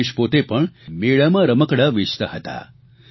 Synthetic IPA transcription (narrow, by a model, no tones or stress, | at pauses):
iʃpot̪epəɳmeɭamãɾəməkɽaʋit͡ʃt̪aɦət̪a̰